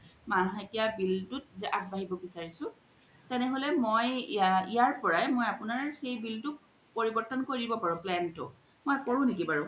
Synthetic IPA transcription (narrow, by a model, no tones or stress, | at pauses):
manetijabiltʊt̚zɛʔak̚baɦibɔbisaɹisʊ̃ | tɛnɛɦolɛmojijaɹpɔɹajmojapʊnaɹxejbiltʊk̚ | poɹibɔɹtɔnkoɹibɔpaɹʊ̃plɛntʊ̰ | mojkoɹʊ̃nekibaɹʊ̃